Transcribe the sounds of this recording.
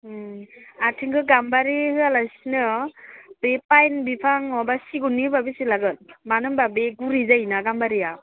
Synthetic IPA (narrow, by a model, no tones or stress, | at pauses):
atʰiŋɡɯɡambaɾihɯjalasinɯ | b̥epajnbipʰaŋɔbasiɡunːibabisilaɡɯt̚manɯmbabeɡuɾizajnaɡambaɾia